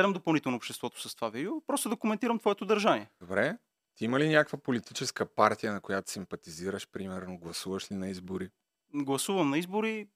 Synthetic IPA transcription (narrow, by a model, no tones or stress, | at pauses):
ɛd̪ɛmd̪opɐlˠnit̪ɛlˠnoːpʃt̪ɛst̪vɔt̪o̥sɐst̪ovavid̪ɛopɾɔst̪od̪ɐkomɛnt̪iɾəmt̪vɔɛt̪od̪ɐɾʒanʲiɛd̪obɾɛ | t̪iiməlinʲakəkvəpolit̪it͡ʃɛskəpaɾt̪ijənɐkojat̪o̥simpɐt̪iziɾəʃpɾimɛɾnoɡlˠɐsuvəʃlinɐizboɾi | ɡlˠɐsuvɐmnɐizboɾi